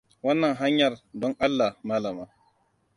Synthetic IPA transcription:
wɐ˦nːɐ˨ŋɦa˦ɲjɐ˨rdɔ˦ŋʔa˦lːa˨hmaː˦la˨maː˦

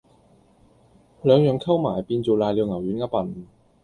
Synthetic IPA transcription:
lœː˨˧ŋjœː˨ŋkʰɐ˥wmaː˨˩jpiː˧nt͡so˨˩laː˨˧li˨˧wŋɐ˨˩wjy˨˥nŋɐ˥pɐ˨˩n

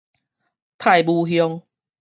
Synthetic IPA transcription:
t̪ʰa˥˧jbu˧ɦjɔ˧ŋ

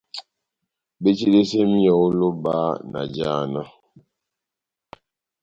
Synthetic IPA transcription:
be˦t͡ʃi˦de˦se˦mi˦jɔ˨o˦lo˦ba˦na̰˨d͡ʒa˦˨na˦

